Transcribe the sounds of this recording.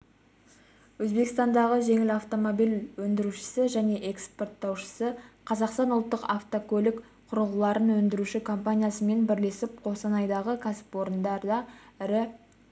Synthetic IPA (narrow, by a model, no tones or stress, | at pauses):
wɵzbe̞kɪst̪ɑnd̪ɑʁəʒe̞ŋɪlɑft̪o̞mo̞bijlwɵnd̪ɪɾuʃɪ̥sɪʒæne̞ʔe̞kspo̞rt̪ːɑwʃə̥səqʰɑzɑqst̪ɑnʊlˠt̪ːəqaft̪okʰɵlɪk | qʰʊɾəlˠəlˠɑɾənwɵnd̪ɪɾuʃɪkʰo̞mpanʲijasəme̞nbɪɾle̞sɪp̚qʰo̞sɑnɑjd̪ɑʁəkʲʰæsɪ̥pwo̞ɾənd̪ɑɾd̪ɑɪɾɪ